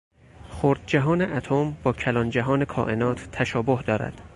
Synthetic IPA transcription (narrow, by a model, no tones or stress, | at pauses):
xoɾd̪̚d͡ʒæɦɒːneʔæt̪ʰombɒːcʰælɒːnd͡ʒæɦɒːne̞kʰɒ̰ːʔenɒːt̪ʰːæʃɒːbohd̪ɒːɾæ̰d̪̥